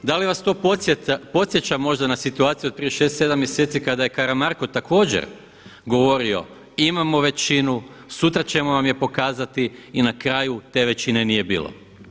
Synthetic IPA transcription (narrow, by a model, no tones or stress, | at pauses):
d̪aliʋast̪o̞popo̞t̪sʲjet͡ɕamo̞ʒd̪anasit̪uaːt̪sijuot̪̚pɾijeʃe̞st̪se̞d̪amje̞set̪sikad̪aje̞kaɾamaɾko̞t̪akʰo̞ːd͡ʑḛɾ | ɡo̞ʋo̞ɾio̞̰ | imamo̞ʋe̞t͡ɕinu | sut̪ɾat͡ɕe̞monamje̞po̞kaːzat̪iːnakɾaːjut̪e̞ːʋe̞t͡ɕine̞nije̞bḭːlo̰